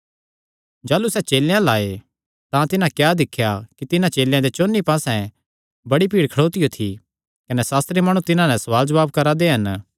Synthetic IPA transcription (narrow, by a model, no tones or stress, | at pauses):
d͡ʒaːlusɛt͡ʃeːljãlaːe | t̪ãt̪ɪnãkjaːd̪ɪkʰːjakit̪ɪnãt͡ʃeːljãd̪et͡ʃoːnːipãːsɛ̃ | bɐɽipiːɽkʰɐɽoːt̪ijot̪ʰi | kɐnɛsaːst̪ɾimaːɽ̃ũt̪ɪnãnɛsɐʋaːld͡ʒɐʋaːbkɐɾad̪eɦɐn